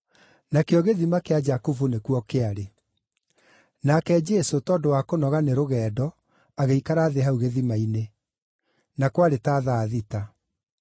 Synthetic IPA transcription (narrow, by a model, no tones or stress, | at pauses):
nakeɔɣeðimakead͡ʒakuvunekuɔkeaɾe | nakɛd͡ʒɛsotɔːdowakonɔɣaneɾoɣɛːdɔ | aɣeikaɾaːðeɦauɣeðimaine | nakwaɾetaːðaːðita